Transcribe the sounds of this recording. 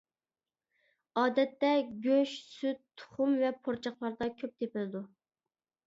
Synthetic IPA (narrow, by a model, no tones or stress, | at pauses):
ɑːd̪ɛt̪ːɛɡʲøʃsyt̪̚t̪ʰːʊ̥χʊmvɛpʰoɾt͡ʃʰɑχlˠɑɾd̪ɑkʲʰøp̚t̪ʰepɪlɪd̪u